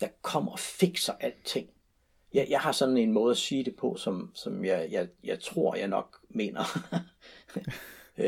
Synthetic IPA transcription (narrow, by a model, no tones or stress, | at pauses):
d̥ɑ̈kʰɒ̽m̰ɐɒ̽fe̝ɡ̥sɐʔæl̰d̥̚t͡sʰe̝ŋ̰ | jɑɪjɑ̈ɪhɑ̈sɒ̽nne̝nmɔ̽ːð̞̩ˠæsiːd̥e̝pʰɒ̽sɒ̽msɒ̽mjɑɪjɑ̈ɪjɑ̈ɪt͡sʰʁo̝ɐ̰jɑ̈ɪnɒ̽ɡ̥me̝̰ːnɐ